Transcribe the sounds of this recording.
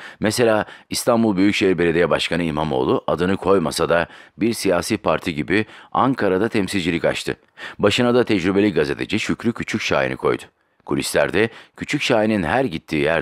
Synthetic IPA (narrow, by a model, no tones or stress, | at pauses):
mɛse̞lʲaːist̪ʰanbulˠbyjycʃeɦiɾbe̞lʲed̪ejɛbaʃkʰanɯimamo̞̰ːlˠuʔad̪ɯnɯkʰo̞jmasad̪abiɾsijaːsiːpʰaɾt̪ʰiɟibiaŋkʰaɾad̪at̪ʰɛmsilʲd͡ʒilʲica̰t͡ʃt̪ʰɯ̰ | baʃɯnad̪at̪ʰɛd͡ʒɾybeicɡaze̞t̪ʰe̞d͡ʒiʃycɾycʰyt͡ʃʰycʃa̰ːjḭnɯ̰kʰo̞̰jd̪ʊ̥ | kʰulʲislʲæ̰ɾd̪ɛcʰyt͡ʃʰycʃaːjininɦæɾɟit̪ʰːiːjæɾ